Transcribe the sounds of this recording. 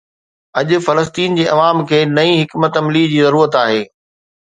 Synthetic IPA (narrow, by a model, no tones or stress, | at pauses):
ɐʄʊ̆fɐləst̪iːnd͡ʑeːʔɐʋaːmkʰeːnɐĩɦɪkmət̪ɐmlid͡ʑiːzɐɾuːɾət̪aːɦeː